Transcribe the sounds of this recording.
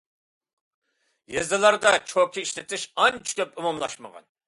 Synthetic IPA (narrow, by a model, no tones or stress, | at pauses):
jezɨlˠɑɾd̪ɑt͡ʃʰokʲiiʃlɪt̪ʰɪʃɑnt͡ʃʰi̥kʲʰøpumɑmlˠɑʃmə̰ʁɑ̰n